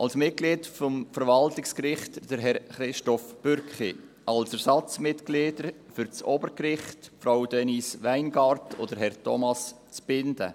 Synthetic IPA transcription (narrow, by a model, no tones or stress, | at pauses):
ʔɑlsmɪt̚ɡ̥liːtfɔmfəɾʋɑltɪkskɾɪχtd̥əɾɦɛɾχɾɪʃtɔfb̥øɾkχḭ | ʔɑlsɛɾsɑt͡smɪtkliːdəɾ | fʏɾt͡sɔbəɾkɾɪχtfɾaʊd̥ɛnisʋæɪnɡɑɾtʰɔd̥əɾɦɛɾtʰɔ̰mɑs | t͡sb̥ɪnd̥ə̰